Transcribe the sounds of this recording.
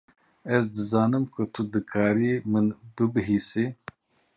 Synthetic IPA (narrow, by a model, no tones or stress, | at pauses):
es̬d̪əzaːnɨmkət̪ʰud̪ɨkʰaːɾimɨnbɨbɨɦisi